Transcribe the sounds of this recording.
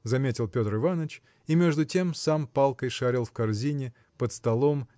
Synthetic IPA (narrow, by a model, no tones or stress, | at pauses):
zɐmʲetʲɪlˠpʲo̞t̪rɨvanət͡ɕ | imʲe̞ʐd̪ʊtʲe̞msampalˠkəjʂaɾʲɪlˠfkɐrzʲinʲɪ | pət̪st̪ɐlˠo̞m